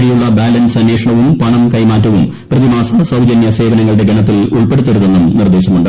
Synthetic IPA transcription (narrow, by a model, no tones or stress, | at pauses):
ɽijuɭːɐbaːlɐnsɐnjekʂɐɳɐʋumpɐɳɐmkɐjmaːtːɐʋum | prɐðimaːsɐsɐwd͡ʑɐnjɐse̞ːʋɐnɐŋːɐɭɽe̞ɡɐɳɐt̪̬ːiluɭpe̞ɽut̪ːeɾuðenːumnird̪e̞ːɕɐmuɳɖɨ